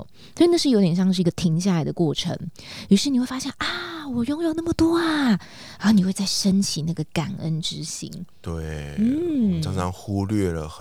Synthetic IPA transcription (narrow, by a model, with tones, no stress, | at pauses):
swi˨˧na˥˧ʂɻ̩˥˩jo˧˥ʊjɛ˨˩ɕjɑ˥˧ŋʂ̬ɻ̩˥˩˧ɡə˨˧t̪ʰi˧˥ŋɕ̬ja˥˩la˧˦ɪd̪ə˧kwɔ˥˩ʈ͡ʂʰə̰˧˥ŋɻi˧˥ʂɻ̩˥˩n˨xwe˥˩ɪfa˥ɕjɛ˥˩nʔa˨˩wɔ˨˩jo˥˦ŋjo˨˩ʊna˥˩mə˨˩t̪wɔ˥a˨˩ | ɻa˧˥o˧˩ni˨˩xwe˥˧ɪt͡sa˥˩ɪʂə˦nt͡ɕʰi˨˩na˥˩ɡə˩ka˨˩nʔə̰˦nʈ͡ʂɻ̩˦ɕḭ˥ŋt̪we˥˩ɪn̩˥˩t͡sʰɑ˧˥˦ŋt͡sʰɑ˧˥ŋxu˦˥lɥɛ˥˩lə̰˩x